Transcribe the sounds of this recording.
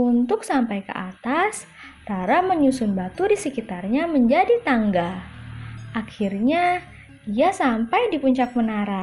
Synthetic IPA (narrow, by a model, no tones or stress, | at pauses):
unt̪ʊksampajkə̰ʔat̪as | t̪aɾaməɲusʊnbat̪udisəkit̪arɲaməɲd͡ʒadit̪aŋɡa | ʔakʰirɲa | iasampajdipuɲt͡ʃak̚mənaɾa